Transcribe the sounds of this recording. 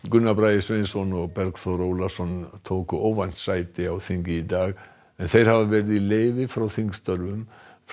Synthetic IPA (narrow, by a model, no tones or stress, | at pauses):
ɡʏnːabɾajɪsvensɔnɔɣbɛɾkθɔɾowlasɔnt̪ʰowkʏʔowvan̥t̪sajt̪ɪawθiŋcɪid̪aːɣ | mɛnθejɾ̥havaʋɛɾðilejvɪfɾawθiŋkst̪œɾvʏmf